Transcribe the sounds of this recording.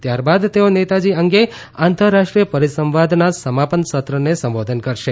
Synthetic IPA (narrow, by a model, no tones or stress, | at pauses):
t̪jaɾbad̪t̪eonet̪ad͡ʒiəŋɡe | ant̪əɾːaʃʈɾijəpəɾisə̃mʋad̪ʱnasəmapənsət̪ɾənesə̃mʋod̪ʱənkəɾʃe